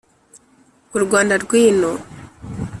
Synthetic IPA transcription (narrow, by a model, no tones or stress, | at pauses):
ɡuɾuɡwaːndaɾɡwiːno